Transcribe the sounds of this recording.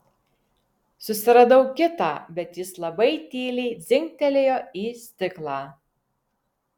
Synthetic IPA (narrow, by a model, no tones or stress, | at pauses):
sʊsʲɪɾɐd̪ɐʊkʲɪt̪ɑːbʲɛt̪jɪslˠɐbɐɪt̪ʲeːlʲɛɪd̪zʲɪŋʲk̚t̪ʲɛlʲeːjoːiːsʲt̪ʲɪklˠɑː